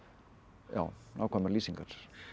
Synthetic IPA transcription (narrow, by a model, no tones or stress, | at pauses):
ja̰w | na̰wkʰaməɾliːsĩŋkaɾ̥